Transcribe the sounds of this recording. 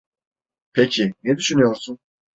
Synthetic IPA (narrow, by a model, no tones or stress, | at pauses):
pʰecʰinɛd̪yʃynyjo̞ɾsun